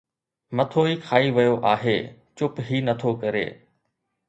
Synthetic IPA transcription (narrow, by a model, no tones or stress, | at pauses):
mɐt̪ʰoːiːkʰaːiʋɐjoʔaːɦeːt͡ɕʊpɦiːnɐt̪ʰokɐɾḛː